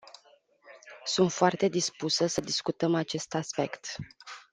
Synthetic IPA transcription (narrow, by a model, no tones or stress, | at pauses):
sunt̪foart̪e̞d̪ispusəsəd̪iskut̪əmat͡ʃe̞st̪aspe̞kt̪